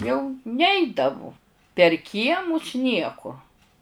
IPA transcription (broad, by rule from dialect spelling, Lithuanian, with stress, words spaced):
jɛʊ ˈnʲɛɪdɐʋʊ pʲɛr ˈkʲiɛmʊs ˈnʲiɛkʊ